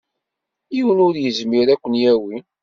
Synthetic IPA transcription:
jiwənʊɾjəzmiɾækʷːənjæwi

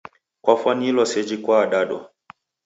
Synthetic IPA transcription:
kwafwanilɔsɛd͡ʒikwaːɗaɗɔ̰

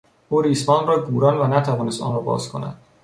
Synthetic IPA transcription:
uːɾiːsbɒːnrɒːɡuːɾɒːnvænæt̪ʰævɒːnest̪ɒ̰ːnrɒːbɒ̰ːzkʰo̞næ̰d̪̥

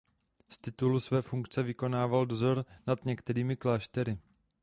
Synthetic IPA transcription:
st̪ɪt̪ulusvɛːfuŋkt͡sɛvɪko̞naːvaldo̞zo̞ɾnad̪ɲɛkt̪ɛɾiːmɪklaːʃt̪ɛɾɪ

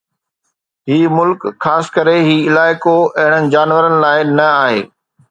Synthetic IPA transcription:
ɦiːmʊlkxaːsɪ̥kəɾeɦiːɪlaːɪkoɐɦɪ̃ɽ̃ənɪ̆d͡ʑaːnʋəɾənɪ̆laːɪnɐaːɦḛː

